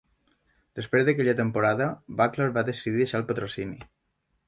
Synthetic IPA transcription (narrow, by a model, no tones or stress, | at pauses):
d̪̥əspɾezðəkɛʎət̪əmpuɾaðəβakləɾβaðəsiðiðəʃaəlˠpət̪ɾosini